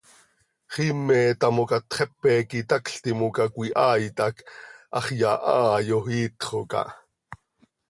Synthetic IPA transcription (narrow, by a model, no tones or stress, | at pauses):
χimːɛːt̪ɑmokɑt̪χɛpːɛkit̪ɑkɬt̪imokakʷiʔɑːjt̪ɑkʔɑχjɑʔɑːjohiːt̪χokɑ̰ʔ